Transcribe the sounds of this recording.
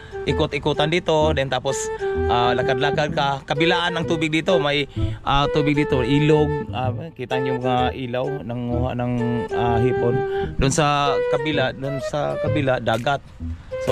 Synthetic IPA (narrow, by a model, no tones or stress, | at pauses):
ʔɪkʊt̪ɪkʊt̪and̪iːt̪od̪ɛnt̪aːposʔalakad̪lakad̪̚kakabɪlaʔanaŋt̪uːbɪɡ̚d̪it̪omajʔat̪uːbɪɡ̚d̪iːt̪oʔiːloɡ̚akit̪aŋɲʊmaŋaʔiːlawnaŋuhaʔnaŋaɦipond̪ʊnsakabilaʔd̪ʊnsakabilad̪aːɡat̪̚so